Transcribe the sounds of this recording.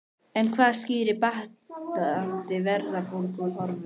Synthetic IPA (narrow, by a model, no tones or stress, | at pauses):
ɛnkʰvaːðsciːɾɪpaht̪aðant̪ɪvɛɾðapowlkʏmhɔɾvʏ